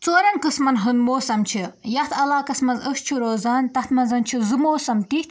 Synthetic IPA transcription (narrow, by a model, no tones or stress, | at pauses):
t͡soːɾɐnkɨsmɐnɦɨnmoːsɐmt͡ʃʰijɐt̪ʰɐlaːkɐsmɐnzəʃt͡ʃʰiɾoːzaːnt̪ɐt̪ʰmɐnzɐnt͡ʃʰizɨmoːsɐmt̪it̪